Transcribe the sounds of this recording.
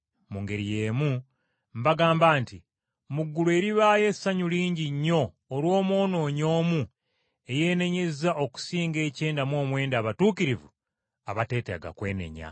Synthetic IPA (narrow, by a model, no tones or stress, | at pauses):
muŋɡe̞ɾije̞ːmu | mbaɡaːmbaːnti | muɡːulwe̞ɾiβaːje̞saɲuliːɲɟiɲːo̞ː | lwo̞ːmo̞ːno̞ːɲo̞ːmu | e̞je̞ːne̞ɲe̞zaʔoku̥siːŋɡe̞ːce̞ːndamwo̞ːmwe̞ːndaːβatuːkiɾivṵ | aβate̞ːtḛɡa̰kwe̞ːne̞̰ɲa̰